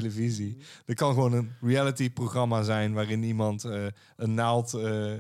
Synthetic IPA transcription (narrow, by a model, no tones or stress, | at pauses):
ləvizid̥ətkɑnɣəʋoːnənrialətiproχrɑmazɛjnʋaːrɪnimɑntə | ənːalˠtə